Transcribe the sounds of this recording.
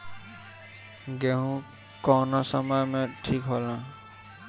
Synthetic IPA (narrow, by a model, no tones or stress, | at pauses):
ɡɛɦũ | kɔnɔsɔmamɛʈʰikɦɔlã